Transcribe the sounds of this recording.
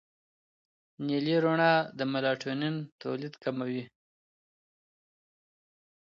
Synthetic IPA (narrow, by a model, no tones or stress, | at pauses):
niliɾoɳɑd̪əmalɑʈʰonint̪o̰lid̪kamawi